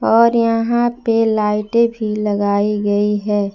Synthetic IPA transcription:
ɔːɾjɐɦãpelaːɪʈebʱilɐɡaːiɡɐiɦɛː

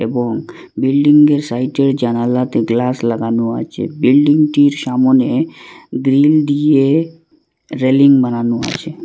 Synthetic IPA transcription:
eboŋ | bilɖiŋɡeɾsajʈeɾd͡ʑanalat̪eɡlaslaɡanoa̰t͡ɕʰḛbilɖiŋʈiɾʃamoneɡɾild̪ije | ɾeliŋbananoa̰t͡ɕʰe

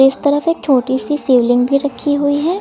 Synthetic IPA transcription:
ɪst̪ɐɾəfeːk̚t͡ʃʰoːʈisiseːʋlɪ̃ŋɡbʱiɾɐkʰːiɦuiɦɛː

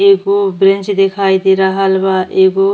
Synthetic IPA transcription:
ekobɾent͡ʃd̪ekʰajt̪iɾaɦalbaʔeko

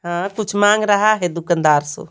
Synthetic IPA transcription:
ɦãːkʊt͡ʃʰmãːŋɡɾəɦaːɦeːd̪ʊkənd̪aːɾso̰ː

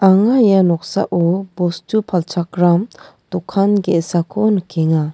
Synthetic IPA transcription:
aŋajanɔk̚sa̰ʔobostupʰalt͡ʃʰakɾam | t̪ɔkʰːanɡesakʰonkeŋa

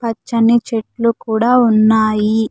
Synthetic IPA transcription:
pɐt͡ʃːɐnit͡ʃeʈlukuːɽaːunːaːji

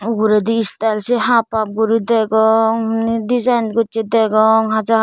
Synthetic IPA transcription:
uɡuɾed̪iistalseɦapap̚ɡuɾidɛɡɔŋnidizajnɡɔt͡ʃed̪aɡɔŋɦaza

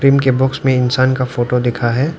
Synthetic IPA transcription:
ɾiːmkebɔːksmẽɪnsaːnkafoːʈod̪ɪkʰaɦɛː

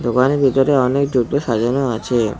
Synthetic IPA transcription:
d̪okaneɾbʱit̪oɾeɔnek̚d̪uʈoʃad͡ʑoɾnoat͡ɕʰe

